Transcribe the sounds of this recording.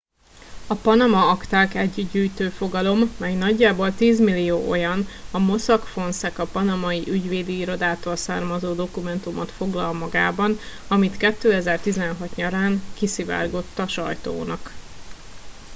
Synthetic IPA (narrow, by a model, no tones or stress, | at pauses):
ɒpɒnɒmɒɒkt̪aːkɛɟːyd̪ɟyːjt̪øːfo̞ɡɒlo̞mːɛjnɒɟːaːbo̞lt̪iːzmilːijoːʔo̞jɒnɒmo̞sɒkfo̞nsɛkɒpɒnɒmɒjiʔyɟʋeːd̪iiɾo̞d̪aːt̪oːlsaːrmɒzoːd̪o̞kumɛnt̪umot̪fo̞ɡlɒlmɒɡa̰ːbɒn | ɒmit̪kɛt̪ːøːɛzɛrt̪izɛnɦɒt̪ɲɒɾaːŋkisiva̰ːrɡo̞t̪ːɒʃɒ̰jt̪o̰ːnɒk